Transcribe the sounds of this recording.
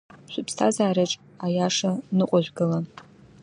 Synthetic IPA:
ʃʷʊpʰstʰazaːɾaʈ͡ʂʼ | ajaʂanɨqʷʼʊʒᶣʷɡɨla

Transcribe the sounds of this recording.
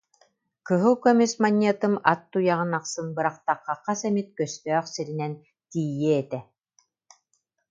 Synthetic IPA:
kɯɦɯkɔmismaɲʲːiɛt̪ɯmat̪ːujaʁɯnaqsɯnbɯɾaqt̪aqːɑqːasɛmit̪̚kœst̪œːχsiɾinɛn | t̪iːjːɛɛt̪ɛ

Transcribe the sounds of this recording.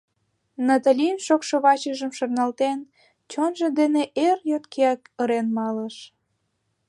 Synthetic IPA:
nɑt̪alʲinʃokʃoβɑt͡ɕəʒəmʃornɑlt̪en | t͡ɕonʒĕd̪eneʔerjot̪keɑkəɾenmɑləʃ

